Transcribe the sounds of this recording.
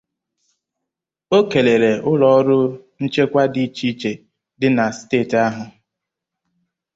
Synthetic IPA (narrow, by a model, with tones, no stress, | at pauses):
o˦ke˨le˨ɾe˨ʊ˦lɔ˨˦ɾʊ˦n̩˦t͡ʃe˦kʷa˦di˦t͡ʃi˦t͡ʃe˨ | dɪ˦na˨steː˦˨ta˦ɦʊ˨